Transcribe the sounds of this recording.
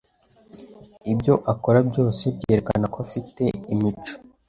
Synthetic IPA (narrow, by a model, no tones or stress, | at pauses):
ibjo̞ʔako̞ɾabɟo̞ːsebɟeheɾeka̰nakoafite̞imit͡ʃo̥